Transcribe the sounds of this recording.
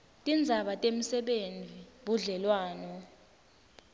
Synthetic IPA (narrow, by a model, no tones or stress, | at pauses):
tʼind͡zʱaɓatʼem̩sɛɓend͡zʱiɓuɮɛlwaːnɔ